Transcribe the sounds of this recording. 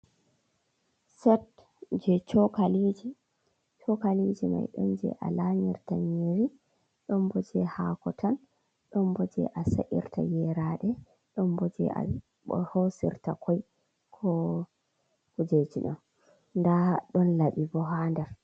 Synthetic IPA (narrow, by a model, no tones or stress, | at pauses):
sɛt | d͡ʒɛt͡ʃɔkalid͡ʒi | t͡ʃɔkalid͡ʒima̰jɗɔ̰nd͡ʒɛ̰ʔa̰laɲiɾtaɲiɾi | ɗɔmbɔd͡ʒɛhakɔtʰan | ɗɔmbɔd͡ʒɛ̰ʔasa̰ʔḭɾtʰa̰jɛɾaɗɛ | ɗɔmbɔd͡ʒɛ̰ʔa̰ | hosḭɾtakʰɔj | kʰɔ | kud͡ʒet͡ʃiɗɔn | ndaɗɔnlaɓibɔɦandɛɾ